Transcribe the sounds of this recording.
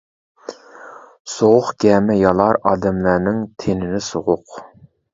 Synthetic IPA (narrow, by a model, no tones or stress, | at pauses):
soʁʊχɡʲɛmɛjɑlˠɑɾɑːd̪ɛmlæɾnɪŋt̪ʰenɪnɪsoʁʊq